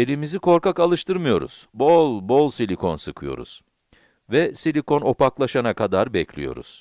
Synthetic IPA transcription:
e̞lʲimizikʰo̞ɾkakalˠɯʃt̪ʰɯɾmɯjo̞ɾṵz̥bolˠbo̞lˠsilʲikʰo̞̰nsɯkʰɯjo̞̰ɾṵz̥ | vɛsilʲiko̞no̞paklˠaʃanakʰad̪aɾbɛclʲḭjo̞̰ɾṵz̥

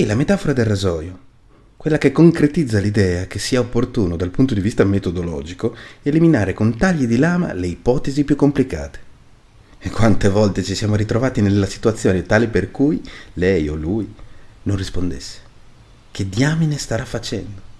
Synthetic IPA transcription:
ilamet̪aːfoɾad̪elrazɔːjo | kwelːakekːoŋkɾet̪id̪zːalid̪ɛːak̟esːiːaopːort̪uːnod̪alpunt̪od̪ivist̪amet̪od̪olɔ̰ːd͡ʒikoeliminaːɾekont̪aʎːid̪ilaːma̰leipɔːt̪ezipjukːomplika̰ːt̪e̥ | ekːwant̪evɔlt̪et͡ʃisjaːmoɾit̪ɾovaːt̪inelːasi̥t̪wat̪sːjoːnet̪aːliperkujlɛjo̰lujnonrispond̪ḛsːe̥ | k̟ed̪jaːminest̪aɾafːat͡ʃɛ̰nd̪o

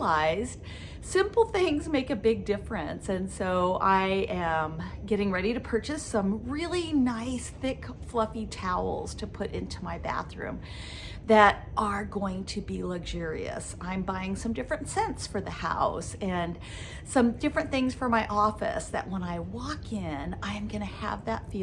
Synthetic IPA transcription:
aɪzd̥ | sɪ̃mpl̩ˠθɪ̃ŋzmeɪkɨbɪɡ̚dɪfɹɨ̰̃nsɨ̃nsoʊʔaɪʔɨ̃mɡɛɾɪ̃ŋɹɛɾiɾɨpʰɜ˞t͡ʃɨsʌ̃mɹɪlˠinaɪsθɪkflʌfitʰaʊl̩ˠz̥tʰɨpʰʊɾʔɪ̃ntʰumaɪbæ̰θɹʉ̰̃m | ðɨɾ | ʔə˞ɡoʊɪ̃ŋtʰɨbilʌɡʒʊɹḭɨ̰sãɪ̃mbaɪɪ̃ŋsʌ̃mdɪfɹɨ̃ntsɛ̃ntsfə˞ðɨha̰ʊsɨ̃n | sʌ̃mdɪfɹɨ̃nθɪ̃ŋz̥fə˞maɪʔɔfɨ̰sðɨ̰ʔ̚wə̃naɪwɔkʰɪ̃nãɪɨ̃mɡʌñɨə̰vðə̰tfi

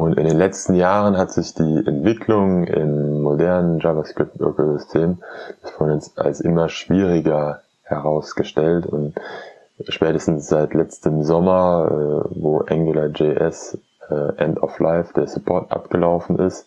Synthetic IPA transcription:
ʔʊntɪ̰ndeːnlɛt͡stn̩jaːʁ̞ənɦatz̥ɪçd̥iːʔɛ̰ntv̥ɪkʰlʊŋɪ̰mːodɛɐnənd͡ʒaːvɐskʁ̥ɪp̚tʔo̰kozʏstʰeːm̥asfɔnɛnsʔa̰lsʔɪmɐʃv̥iːʁɪɡɐ | hɛʁaʊsɡ̥əʃtɛltʊnt | ʃpɛːtəstn̩sz̥aɪtlɛt͡stəmzɔmɐɛːvoːʔaŋɡulɐd͡ʒeʔɛs | ɛːʔɛntɔ̰flaɪfd̥eːɐsupʰɔɐtʔa̰p̚ɡ̥əlaʊfn̩ʔɪst

